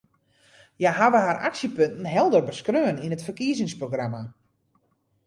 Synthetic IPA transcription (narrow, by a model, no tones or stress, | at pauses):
jaɦaʋəɦaɾaksjəpøntn̩ɦɛlˠdərbəskrøːəninətfərkiəzɪŋsproɡrama